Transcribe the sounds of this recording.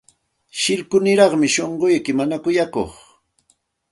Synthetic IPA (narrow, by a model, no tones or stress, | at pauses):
ʃɪɾkʊnɪɾɑχmɪʃoɴɢojkɪmanakʊjako̰χ